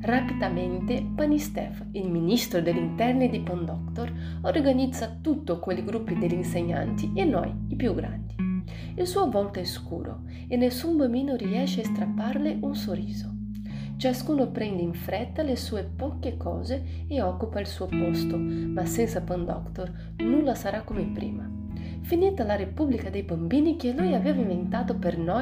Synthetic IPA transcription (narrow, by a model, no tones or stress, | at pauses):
rapid̪ament̪epanist̪ɛ̰f | ilminist̪ɾod̪elːint̪ɛrnid̪ipond̪ɔkt̪oɾ | orɡanid̪zat̪ut̪ːokoliɡɾupːid̪elinseɲa̰nt̪ienɔ̰jipjuɡɾa̰nd̪i | ilsuːovɔlt̪oɛskṵːɾo̰ | enesːumbamiːnoɾiɛʃeaest̪ɾapːaɾleunsoriːzo | t͡ʃaskuːnopɾɛnd̪eiɱfɾɛt̪ːalesuːepɔkːekʰɔ̰ːze | eɔkːupailsuːopost̪omasɛnsapand̪ɔ̰kt̪or | nulːasaɾakːomepɾḭːma | finit̪alaɾepublikad̪ejbambiːnik̟elujaveːvaiɱvent̪aːt̪opernɔ